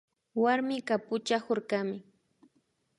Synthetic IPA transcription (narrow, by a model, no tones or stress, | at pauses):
waɾmɪkapʊt͡ʃahoɾkamɪ